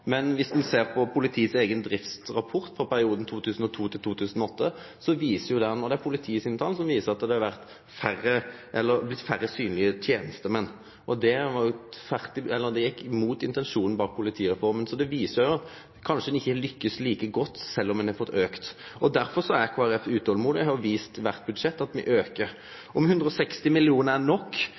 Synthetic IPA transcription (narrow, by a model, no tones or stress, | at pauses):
mɛnʋɪsd̪ɛnseːʁpʰɔpʰʊlɪt̪ʰiːseːɡənd̪ɾɪftt̪ɾɑpʰɔɾt̪fɾɔpæɾɪuːd̪n̩t̪ʰuːt̪ʰʉːsn̩ɔt̪ʰuːt̪ʰɪlt̪ʰuːt̪ʰʉːsənɔɔt̪ːə | sɔʋiːsəɾjʊd̪ɛnɔd̪ɛæɾpʰʊlɪt̪ʰiːsɪnt̪ʰɑːlnsɔmʋiːsəʁɑt̪̚d̪ɛd̪ɛhɑɾʋæʁt̪ | færːəʔɛlːəɾblɪt̪ːfæɾəsyːnlɪət̪ʰjeːnəst̪əmɛnː | ʔɔd̪ɛʋɑɾjʊfæʁt̪ɪɛlːəɾd̪ɛjɛkːɪmuːt̪ɪnt̪ɛnʂuːnn̩bɑːk̚pʰʊlɪt̪ʰiːʁɛfɔɾmənsɔd̪ɛʋiːsəʊjʊɑt̪ | kʰɑnʂəd̪ɛɪçːəlʏkːəsliːkəɡɔt̪ːsɛlːɔmɛnɛfɔt̪ːøːkt̪ɔd̪æɾfɔɾsɔækʰoːæɾɛfʉːt̪əhɔlmuːd̪əhɑʊʋiːst̪ʋæʁt̪̚bʉd̪ʂɛt̪ːɑt̪mɪ̰ʔøːkəɾ | ʔɔmhʉnd̪ɾəɔsɛkst̪ɪmɪlɪuːnəænɔkː